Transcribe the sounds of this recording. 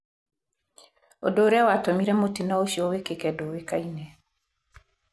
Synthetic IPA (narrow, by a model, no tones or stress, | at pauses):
o̰doːɾeawatomiɾɛmotinaoʃiɔwekekɛdowekainɛ